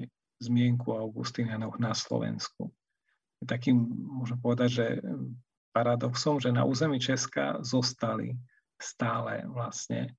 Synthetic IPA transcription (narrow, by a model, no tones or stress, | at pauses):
zmɪɛŋkuaʊɡṵst̪inanɔɣnaslɔ̰ʋɛ̰nskṵ | jɛt̪akiːmmʊɔʒɛmɛpɔʋɛd̪aɟʒɛ | paɾad̪ɔksɔmʒɛna̰ʔṵːzɛmiːt͡ʃɛska̰zɔst̪alḭ | st̪aːlɛ̰ʋlasɲɛ̰